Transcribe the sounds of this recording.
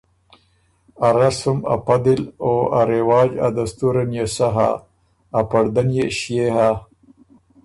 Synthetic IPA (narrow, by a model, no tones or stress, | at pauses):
aɾasuma̰pad̪iloaɾewaːd͡ʒa̰d̪ast̪uɾanjesaɦa̰ː | paɽd̪anjeɕjeɦa